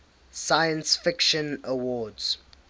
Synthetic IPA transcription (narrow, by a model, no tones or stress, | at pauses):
sajə̃nsfɪkʃə̃nəwɔːdz̥